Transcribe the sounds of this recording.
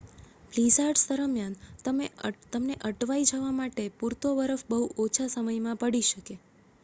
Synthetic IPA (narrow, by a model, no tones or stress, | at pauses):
plizaɾsd̪əɾəmjant̪əmet̪əmneʔəʈʋaid͡ʒəʋamaʈepuɾt̪obəɾəfbəɦuʔot͡ʃʰasəməjmãpəɽiʃəke